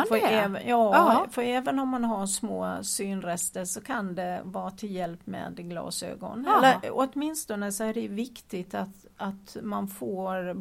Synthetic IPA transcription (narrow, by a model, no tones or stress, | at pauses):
fœɛːvjɑːfœɾɛːvənɔmːanɦaʂmoːsyːnɾɛst̪əʂɔkʰand̪ɛvɑːt̪ʰɪljɛlpːmɛ̰ːd̪ɡlɑ̰ːsø̰ːɡɔ̰nɛlːəɾɔt̪mɪnst̪ɔnd̪əsɔæɖɛʉvɪkt̪ɪɡt̪at̪ | at̪manfoːɾ